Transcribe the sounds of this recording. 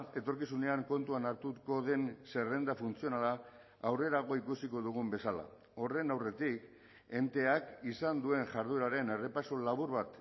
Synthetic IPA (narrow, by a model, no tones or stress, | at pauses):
e̞t̪o̞ɾkisune̞aŋko̞nt̪uanaɾt̪uko̞ðe̞nse̞re̞nd̪afunt͡sio̞nalaː | wre̞ɾaɣo̞ikusiko̞ðuɣ̞umbe̞sala̰ | o̞re̞nawre̞t̪ik | e̞nt̪e̞akisand̪ue̞nʝaɾðuɾaɾe̞nere̞pasolaβuɾβat̪